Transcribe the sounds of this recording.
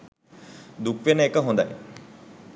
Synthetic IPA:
d̪ukʋenəekəɦõnd̪a̰j

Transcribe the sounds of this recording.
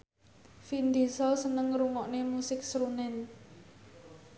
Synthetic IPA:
find̪i̤sɔsənəŋɾuŋɔʔnemusɪk̚sɾunɛn

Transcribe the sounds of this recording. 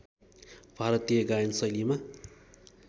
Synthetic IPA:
b̥ʱaɾʌt̪ijʌɡajʌnsʌjlima

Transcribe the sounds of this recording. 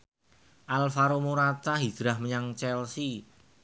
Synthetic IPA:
ʔalfaɾomuɾat̪aɦid̥ɾahməɲaŋt͡ʃɛlsi

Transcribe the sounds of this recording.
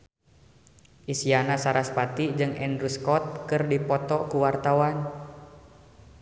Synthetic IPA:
ʔisianasaɾaspat̪id͡ʒɨŋɛnɾuskɔt̪̚kɨrdipɔt̪ɔkuwart̪awan

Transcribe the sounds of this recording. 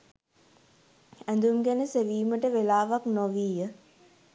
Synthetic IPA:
ænd̪umɡænəseʋiːməʈəʋelaːʋaknoʋiːjə

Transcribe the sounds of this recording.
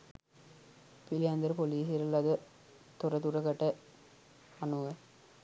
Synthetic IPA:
pilijand̪ɐɾpoliːsiɾɐlɐd̪ɐ | t̪oɾɐt̪uɾɐkɐʈːɐ | ɐnuʋɐ

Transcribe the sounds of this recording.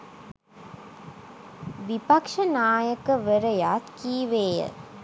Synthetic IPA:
ʋipakʂənaːjəkəʋəɾəjaːt̪kiːʋeːjə̰

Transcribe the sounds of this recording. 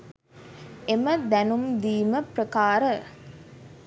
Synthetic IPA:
eməd̪ænumd̪iːməprəkaːɾə

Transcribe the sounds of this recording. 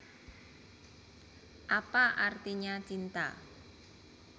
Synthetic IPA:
ʔapaʔart̪iɲat͡ʃint̪a̰

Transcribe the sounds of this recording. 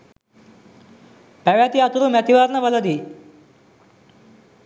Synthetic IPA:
pɛʋjat̪iːat̪uɾuːmat̪iʋaɾnəʋələd̪iː

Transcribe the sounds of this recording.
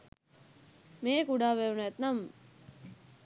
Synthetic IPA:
meːkuɖaːʋeunæt̪nam

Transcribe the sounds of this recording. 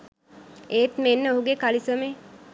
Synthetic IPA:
eːt̪menːəoɦuɡekalisəme

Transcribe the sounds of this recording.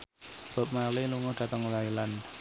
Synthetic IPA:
b̥a̤p̚maleluŋʊd̥ä̤t̪əŋlailan

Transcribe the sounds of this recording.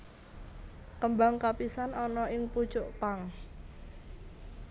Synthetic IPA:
kəmbaŋkapisanɔnɔʔɪŋpu̥t͡ʃʊʔpaŋ

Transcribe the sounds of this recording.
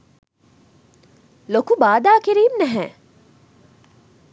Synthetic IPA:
lokubaːd̪aːkeɾiːmnɐɦɛ̃

